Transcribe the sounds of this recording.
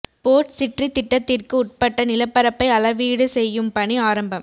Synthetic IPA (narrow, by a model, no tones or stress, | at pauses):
poːʈsɪʈrit̪ːɪʈːɐt̪ːɪrkɯʊʈ̚pɐʈːɐnɪlɐpːɐɾɐpːɐɪɐlɐʋiːɽɯsɛjːɯmpɐɳiaːɾɐmbɐm